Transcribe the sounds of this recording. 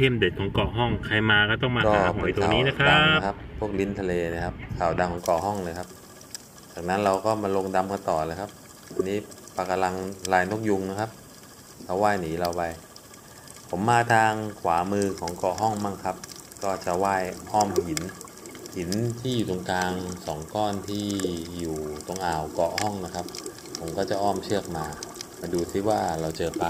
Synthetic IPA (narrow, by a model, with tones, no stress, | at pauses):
e˥˩mde˨˩t̪̚kʰɔː˩˦ŋkɔ˨˩ɦɔ˥˩ŋkʰa˧jmaː˧kɔː˥˩t̪̬ɔ˥˩ŋmaː˧kɔː˧˥˩pːa˩˨˦t̪o˧ŋː˨˩niː˦˥na˦˥aa˦˧˦kʰa˦˥pʰːu˥˩ək̚li˦˥nt̪ʰa˧leː˧na˦˥˩kʰa˦˥p̚kʰaː˨˩wda˧ŋkʰɔː˩˦ŋkɔ˨˩hɔ˥˩ŋlɤː˧jkʰa˦˥p̚ | t͡ɕaː˨˩k̚na˦˥nɾa˧wkɔː˥˩maː˧lo˧ŋda˧mka˧nt̪ɔː˨˩lɤː˧jkʰa˦˥p̚ | a˧nːiː˦˥ | pa˧ka˧la˧ŋlaː˧jno˦˥˩k̚ju˧ŋna˦˥˩kʰa˦˥p̚ | kʰa˧˦˩waː˥˩jniː˩˦ɾa˧wpa˧j | pʰo˩˦mːaː˧t̪ʰaː˧ŋkʰwaː˩˦mɯː˧kʰɔː˩˦ŋkɔ˨˩ʔɦɔ˥˩ŋmaː˥˩ŋkʰa˦˥p̚ | kɔː˥˩t͡ɕa˨˩waː˥˩jʔɔː˥˩mhi˨˩˦n | hi˩˦nt̪ʰiː˥˩juː˨˩t̪o˧ŋkaː˧ŋsɔː˩˦ŋkɔː˥˩nt̪ʰiː˥˩juː˨˩t̪o˧ŋʔaː˨˩wkɔ˨˩ʔhɔ˥˩ŋna˦˥kʰa˦˥p̚ | pʰːo˩˦mkɔː˥˩t͡ɕa˨˩ʔɔː˥˩mt͡ɕʰɯ˥˩ək̚maː˧maː˧duː˧siː˥˩waː˥˩ɾa˧wt͡ɕɤː˧pa˧